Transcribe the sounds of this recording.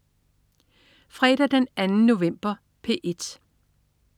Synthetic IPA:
fʁɛːd̥æd̥enænənːo̝ʋem̰b̥ɐ | pʰe̝̰ʔe̝d̥

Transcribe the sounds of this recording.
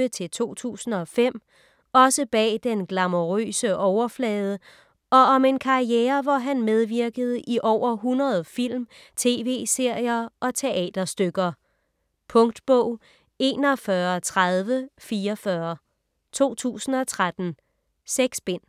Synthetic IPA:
ət͡sʰe̝lt͡sʰo̝̰ːt͡sʰṵːsn̩ɒ̽fem̰ | ɒ̽səb̥ɛ̰ːd̥enɡ̥lɑ̈moʁø̰ːsəʔɒʊɐflɛːð̞ˠə | ɒ̽ɒ̽me̝nkʰɑ̈ieːɐʋɒɦænmeð̞ˠʋiɐɡ̥əð̞̩ˠʔiʔɒʊ̰ɐɦunɐð̩ˠfil̰mt͡sʰe̝̰ːʋe̝̰ːse̝ɐ̰jɐʔɒ̽t͡sʰe̝ʔɛ̰ːd̥ɐsd̥øɡ̥ɐ | pʰɔ̽ŋd̥b̥ɔʊ̰ | e̝ːnɒ̽fɶːɐt͡sʰʁaðˠʋəfiːɒfɶɐ | t͡sʰo̝̰ːt͡sʰṵːsn̩ɒ̽t͡sʰʁad̥n̩ | seɡ̥sb̥en̰

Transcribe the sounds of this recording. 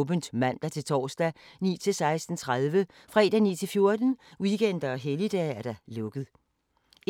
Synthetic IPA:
b̥ənd̥mæn̰d̥ɑt͡sʰe̝lt͡sʰɒ̰ːsd̥ænḭːt͡sʰe̝lsɑ̈ɪsd̥n̩t͡sʰʁað̞ˠʋə | fʁɛ̰ːd̥ænḭːt͡sʰe̝lfjo̝ɐd̥n̩wiɡ̥en̰d̥ɐɒ̽ɦelid̥ɛæɐd̥ælɔ̽ɡ̥əðˠ

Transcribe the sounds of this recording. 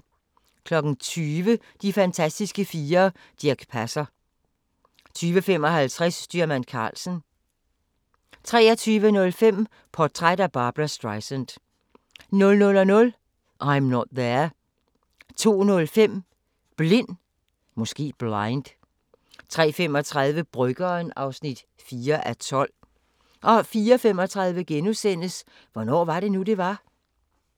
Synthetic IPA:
kʰlɒ̽ɡ̥n̩t͡sʰyːʋə | d̥ifænt͡sʰæsd̥isɡ̥əfiːɐ | d̥iɐɡ̥pʰæsɐ | t͡sʰyːʋəfem̰ɒ̽hælt͡sʰʁɛsd̥yɐmænkʰɑ̰̈ːlsən̩ | t͡sʰʁɛːɐt͡sʰyːʋənɔ̽lfem̰ | pʰɒ̥t͡sʰʁad̥æb̥ɑ̈ːb̥ʁɑsd̥ʁɑ̈ɪsənd̥ | nɔ̽lnɔ̽lɒnɔ̽l | ʔɑ̈ɪmnɒd̥̚ðeɐ | t͡sʰo̝̰ːnɔ̽lfem̰ | b̥le̝n̰ | mɔ̽sɡ̥e̝̰ːb̥lɑ̈ɪnd̥ | t͡sʰʁɛ̰ːfem̰ɒ̽t͡sʰʁaðˠʋəb̥ʁœɡ̥ɐnɑ̈ʊsnid̥ | fiːɐʔæt͡sʰɒ̽l̰ | ʔɒ̽fiːɒfem̰ɒt͡sʰʁɑ̈ð̞ˠʋəɡ̥enusen̰əs | ʋɒnɒ̰ːʋɑ̈ɾ̥e̝nude̝ʋɑ̈

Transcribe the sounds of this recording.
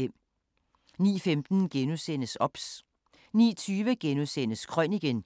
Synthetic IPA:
em̰ | nḭːfemd̥n̩ɡ̥enusen̰əsɒ̽b̥s | nḭːt͡sʰyːʋəɡ̥enusen̰əskʰʁœniɡ̥en

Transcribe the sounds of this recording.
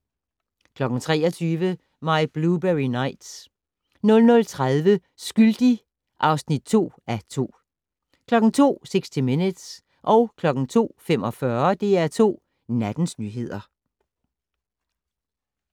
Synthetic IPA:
kʰlɒ̽ɡ̥n̩t͡sʰʁɛːɒt͡sʰyːʋə | mɑ̈ɪb̥lub̥eʁinɑ̈ɪ̰d̥s | nɔ̽lnɔ̽lt͡sʰʁaðˠʋə | sɡ̥yld̥i | ʔɑ̈ʊsnid̥̚t͡sʰo̝̰ː | æt͡sʰo̝̰ː | kʰlɒ̽ɡ̥̩t͡sʰo̝̰ːseɡ̥sd̥ʰiminəd̥s | ʔɒ̽ʊkʰlɒ̽ɡ̥n̩t͡sʰo̝̰ːfem̰ɒ̽fɶɐd̥e̝æɐt͡sʰo̝̰ː | næd̥n̩snyːɦe̝ð̞̰ˠɐ

